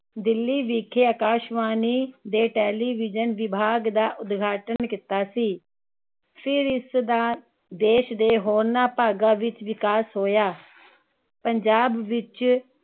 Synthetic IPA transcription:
d̪ɪlːiːʋiːkʰeːəkaːʃʋaːniːd̪eːʈɛːliːʋɪd͡ʒənʋɪbʱaːɡd̪aːʔʊd̪ɡʱaːʈənkɪt̪aːsiː | pʰɪɾɪsd̪aː | d̪eːʃd̪eːɦoːɾnaːpaːɡaːʋɪt͡ʃʋɪkaːsɦoːjaː | pəɲd͡ʒaːbːɪt͡ʃ

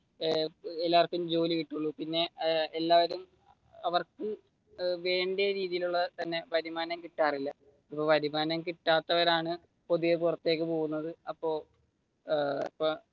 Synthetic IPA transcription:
elːaːʋɐrkːɨmd͡ʑo̞ːlikiʈːuɭːupinːe̞elːaːʋɐɾum | ɐʋɐrkɨ | ʋe̞ːɳɖejɐɾiːðijiluɭːɐt̪ɐnːe̞ʋɐɾimaːnɐmkiʈːaːrilːɐ | ɐpːoːʋɐɾimaːnɐmkiʈːaːt̪ːɐʋɐɾaːɳɨ | po̞ðujepurɐt̪ːe̞ːk̬ːɨpo̞ːɣunːɐðɨɐpːo̞ː | pːoː

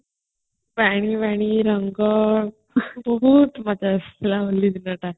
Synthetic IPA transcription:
ʋaɽ̃iːʋaɽ̃iɾəŋɡə | bəɦut̪mat͡ɕaslaʋəliːd̪inəʈa

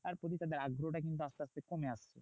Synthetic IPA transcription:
t̪aɾpot̪̬it̪ad̪eɾaɡɾoʈak̬int̪̬uast̪ast̪ekomeast͡ɕʰḛ

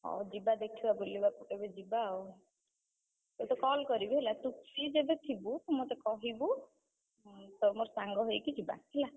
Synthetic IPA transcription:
ɔ̰d͡ʒibad̪ekʰibabolibapuʈebed͡ʒibao | et̪ɔkɔlkɔɾibiɦelat̪uksid͡ʒebet̪ʰibut̪ɔmot̪ɔkɔɦibu | t̪ɔmoɾsaŋɡɔɦejkid͡ʒiba̰ɦela

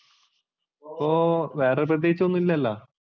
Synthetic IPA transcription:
oːʋe̞ːrep̬rɐt̪̬jeɦit͡ɕːɨonːuilːɐɐlːɐ

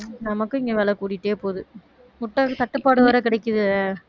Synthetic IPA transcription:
nɐmɐkːɯɪŋɡɐʋeːɭɐkːuːɽɪʈːeːpoːðɯ | mʊʈːɐt̪ɐʈːɯpːaːɽɯʋɐɾɐkɪɽɐɪkːɯðɯ

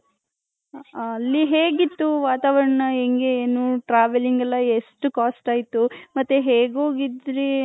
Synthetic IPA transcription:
ɐlːiɦeːɡit̪ːuʋaːt̪aːʋɐɾɐɳɐeŋɡeeːnuʈɾaːʋeliŋɡɐlːɐeʂʈukaːsʈaːjit̪umɐt̪ːeɦeːɡo̞ːɡid̪ɾi

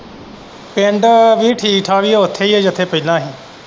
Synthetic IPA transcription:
pẽːɳɖʋiːʈʰiːʈʰaːʋiːeːʊt̪ʰːeːieːd͡ʒɪt̪ʰːeːpəilãːɦiː

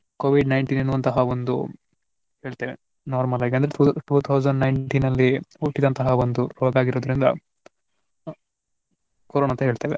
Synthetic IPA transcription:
koːʋiɖnɐjɳʈiːninːuːʋɐnt̪ɐɦɐʋond̪u | he̞ːɭt̪eːʋe | naːɾmɐlaːɡeɐnd̪ɐɾeʈuːt̪ʰɐwd͡ʒɐɳɖnɐjɳʈinɐlːiuʈːid̪ɐnt̪ɐɦɐʋond̪uɾoːɡaːɡiɾoːd̪ɾind̪ɐ̰ | koɾoːnaɐnt̪ɐɦeːɭt̪eːʋe

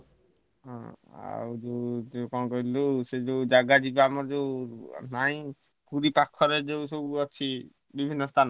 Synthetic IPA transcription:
ɦɔ̰̃a̰wd͡ʒewd͡ʒekɔ̃kɔɦilused͡ʒeud͡ʒaɡad͡ʒibaamɔɾd͡ʒewnaĩ | puɾipakʰːɔɾed͡ʒesewɔt͡ʃʰi | bibʱinːɔst̪ʰan

